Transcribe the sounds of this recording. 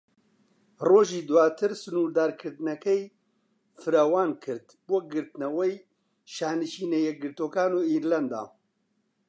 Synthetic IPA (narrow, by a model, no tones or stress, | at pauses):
roːʒiːd̪waːt̪ʰɨɾsɨnuːɾd̪aːɾkʰɨɾd̪ɨnɐkɛj | fɨɾawaːnkʰɨɾt̪boːɡɨɾt̪ɨnɐwej | ʃaːnɨʃiːnejɛɡɨɾt̪oːkaːnoːiːɾlɛnd̪a̰ː